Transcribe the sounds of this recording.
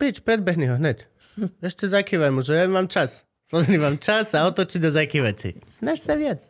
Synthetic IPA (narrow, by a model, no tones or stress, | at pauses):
pit͡ʃpɾɛd̪̚bɛɦniɦɔɦɲɛc | ɛʃcɛzakiʋajmuʒɛjamaːmt͡ʃas | pɔzɛnimamt͡ʃasaɔt̪ɔt͡ʃiɟd̪ɔzakiʋasḭsnaʃsaʋɪat͡s